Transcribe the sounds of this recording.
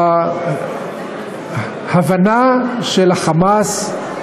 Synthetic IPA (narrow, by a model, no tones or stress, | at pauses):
havanaʃelaχamas